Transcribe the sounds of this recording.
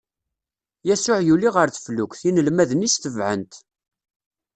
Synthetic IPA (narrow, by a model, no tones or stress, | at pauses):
jæsʊʕjuliʁəɾθə̥flʊkʷθinəlmæðənisθəvʕə̰nt̪